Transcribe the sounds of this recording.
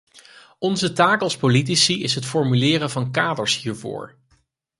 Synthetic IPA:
ɔnzətaːkəlˠspolit̬isiɪsɦətfɔɹmylɪːɾəvɑnkaːdəɹshiːɹvʊ̰ːɹ

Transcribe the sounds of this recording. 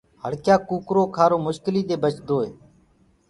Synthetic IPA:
həɽkjaːkuːkɾoːkʰaːɾoːmʊʃkɪliːd̪eːbət͡ʃd̪oːḛː

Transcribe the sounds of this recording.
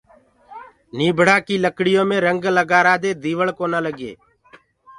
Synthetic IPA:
niːbʱɽaːkiːləkɽɪjõːmẽːɾəŋɡləɡaːɾaːd̪eːd̪iːʋəɭkoːnaːləɡḛː

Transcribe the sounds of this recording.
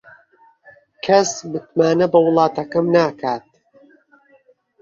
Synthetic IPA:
kʰɐsmɨt̪maːnɐbɐwɨlˠɑːt̪ɐkɐmnaːkʰaːt̪̚

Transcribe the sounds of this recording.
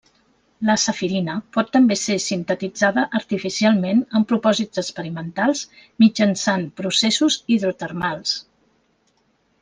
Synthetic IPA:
ləsəfiɾinəpɔt̪ːəmbesesint̪ət̪id͡zaðəʔəɾt̪ifisialˠmenəmpɾupɔzizəkspəɾimənt̪alˠz | mid͡ʒənsanpɾusesuziðɾut̪ərmalˠs

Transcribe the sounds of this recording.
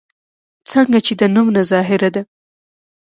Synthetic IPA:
t͡səŋɡat͡ʃed̪ənumnazɑɦɪɾad̪a

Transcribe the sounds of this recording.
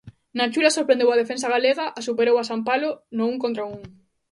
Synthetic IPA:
nat͡ʃulasoɾpɾẽnd̪ewað̞efẽns̬aɣaleɣaʔasupeɾowasampalonʊuŋkont̪ɾauŋ

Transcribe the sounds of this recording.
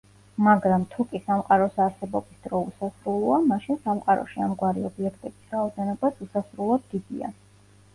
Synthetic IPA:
maɡɾamt̪ʰukʼisamqʼaɾɔsaɾsɛbɔbisd̪̥ɾɔusasɾulˠuamaʃinsamqʼaɾɔ̰ʃiamɡwaɾiɔbiɛkʰt̪ʼɛbisɾaɔd̪ɛnɔbasusasɾulˠɔt̪̚ɡid̪ḭa̰

